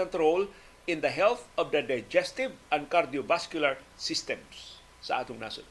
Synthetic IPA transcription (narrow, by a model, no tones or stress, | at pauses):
ɔ̃nt̪ɾol | ɪ̃nd̪ɐɦɛlθɔvd̪ɐd̪ajd͡ʒɛst̪ɪvɐ̃n̚kaɾd̪iovaskjʊlaɹsɪst̪ɛ̃msː | ɐ̰ʔa̰ːt̪ʊŋna̰sʊ̰